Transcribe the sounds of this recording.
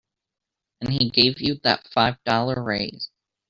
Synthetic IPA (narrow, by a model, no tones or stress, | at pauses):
ɨ̃niɡeɪvjɨðə̰tfaɪvdɔlˠə˞ɹeɪz̥